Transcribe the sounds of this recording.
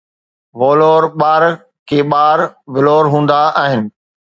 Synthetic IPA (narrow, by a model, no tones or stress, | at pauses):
ʋoːloːɾɓaːɾ | kʰeːɓaːɾʋɪloːɾɦũːnd̪aaːɦɪnɪ̆